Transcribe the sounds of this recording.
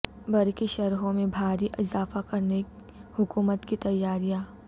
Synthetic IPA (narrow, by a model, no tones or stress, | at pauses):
bɐɾkiʃɐɾɦõmẽbʱaːɾiʔɪzaːfakɐɾne | hʊkuːmət̪kit̪ɐjːaːɾijãː